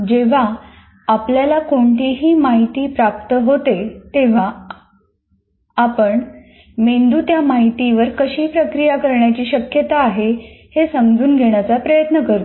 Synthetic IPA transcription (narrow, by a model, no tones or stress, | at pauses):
d͡ʑeʋ̤aː | pljalakoɳʈiːɦiːmaɦit̪iːpɾap̚t̪əɦot̪et̪eʋ̤a | apəɳ | mend̪ut̪jamaɦit̪iʋəɾkəɕiːpɾəkɾijakəɾɳjat͡ɕiːɕəkjət̪aːɦehesəmd͡zuːnɡʱeɳ̃jat͡sapɾəjət̪nəkəɾt̪